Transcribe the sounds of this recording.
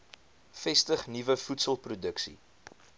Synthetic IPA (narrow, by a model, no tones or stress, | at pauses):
fɛstəχnivəfutsəlˠprudəksḭ